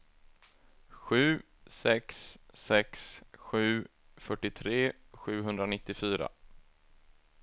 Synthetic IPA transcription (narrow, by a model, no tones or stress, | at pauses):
ɧʉ̟ː | sɛksːɛksɧʉ̟ː | fœʈːɪt̪ʰɾeː | ɧʉ̟ːɦɵnd̪ɾanɪt̪ːɪfyːɾa̰